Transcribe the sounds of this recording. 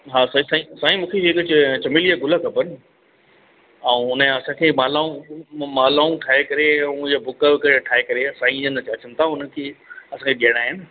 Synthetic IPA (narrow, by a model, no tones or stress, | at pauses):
ɦaːsɐĩsaĩsaːĩmũːkʰeɪkt͡ɕt͡ɕɐmilijaɡʊləkʰɐpən | ɛ̃ũʊnəɐsãːkʰeːmaːlaːũmaːlaːũʈʰaːɦekɐɾẽʊ̃d͡ʑabʱʊkəkɐɾeʈʰaːekɐɾesãːĩd͡ʑənt͡ɕaːt͡ɕənɪ̆t̪ʰaʊnəkʰeːɐsãːkʰeɗiɦəɽ̃aːɦɪnɪ